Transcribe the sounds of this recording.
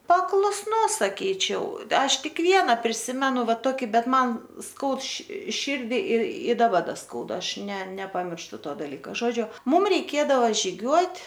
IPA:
pɐklˠʊsˈnʊs sɐˈkʲiːt͡ʃʲɛʊ ˈɐʃ ˈtʲɪk ˈʋʲiɛnɐ pʲrʲɪˈsʲɪmʲɛnʊ ˈʋɐ ˈtoːkʲɪ ˈbʲɛt ˈmɐn ˈskɐʊt ʃʲɪ ˈʃʲiːrʲdʲɪ ɪr ɪ dɐˈbɐ ˈdɐ ˈskɐʊdɐ ˈɐʃ nʲɛ nʲɛpɐmʲɪrʃˈtʊ ˈtoː dɐlʲˈiːkɑː ˈʒoːd͡ʒʲʊ ˈmʊm rʲɛɪˈkʲeːdɐʋɐ ʒʲɪˈɡʲuɔtʲ

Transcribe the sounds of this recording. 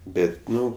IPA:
ˈbʲɛtʲ ˈnʊ

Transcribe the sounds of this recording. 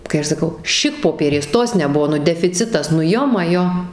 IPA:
kɐɪ ˈɐʃ sɐˈkɐʊ ˈʃʲɪkpoːpʲiɛrʲeːs ˈtoːs nʲɛˈbʊʋoː dʲɛfʲɪˈt͡sʲɪtɐs nʊ ˈjoː mɐˈjoː

